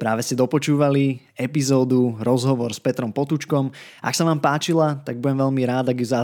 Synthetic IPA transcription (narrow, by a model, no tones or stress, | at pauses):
pɾaːʋɛscɛd̪ɔpɔt͡ʃuːʋali | ɛpizɔːd̪uɾɔzɦɔʋɔɾspɛt̪ɾɔmpɔt̪ut͡ʃkɔm | a̰ksaʋaːmpaːt͡ʃilat̪aɡ̚bujɛmʋɛʎmiɾaːd̪aɡjuza